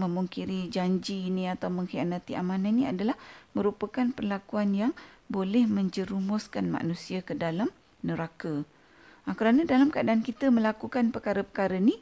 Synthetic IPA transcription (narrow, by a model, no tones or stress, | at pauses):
mə̃muŋkiɾid͡ʒaɲd͡ʒiːnĩat̪awmə̃ŋhianat̪iʔa̰mãnanĩa̰dalahmə̃ɾupakanpərlakuanjaŋbolɛhmə̃ɲd͡ʒəɾumɔskanma̰ʔnũsiakədalam | nəɾaka | akəɾanadalamkəadaːnkit̪əmə̃lakukanpəkaɾəpə̥kaɾəni